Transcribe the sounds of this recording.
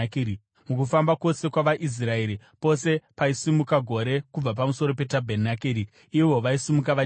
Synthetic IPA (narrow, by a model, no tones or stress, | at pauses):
kiɾi | mukufambako̞se̞kwaʋaʔis̬rae̞ɾi | po̞se̞paisimukaɡʱo̞ɾe̞kub͡vapamuso̞ɾo̞pe̞tabʱenakiːɾi | iʋo̞ʋaisimukaʋa